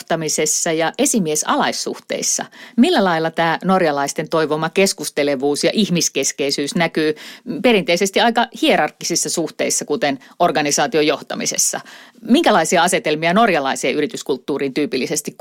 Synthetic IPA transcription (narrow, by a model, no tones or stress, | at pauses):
t̪ɑmisesːɑjɑʔesimiesɑ̰lɑisːṵht̪ḛisːɑ̰milːælɑilːɑt̪æːnorjɑlɑist̪ent̪oiʋomɑkeskust̪eleʋuːsjɑʔihmiskeskeisyːsnækyːpeɾint̪eisest̪iɑikɑhieɾɑrkːisisːɑsuht̪eisːɑkut̪enʔorɡɑnisɑːt̪iojoht̪ɑ̰mḭsḛsːɑ̰miŋkælɑisiɑɑset̪elmiɑnorjɑlɑisieːʔyrit̪yskult̪ːuːriːnt̪yːpilːisest̪ikk